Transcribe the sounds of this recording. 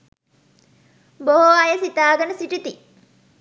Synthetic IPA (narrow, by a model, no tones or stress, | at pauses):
boɦoajəsit̪aːɡənəsiʈit̪i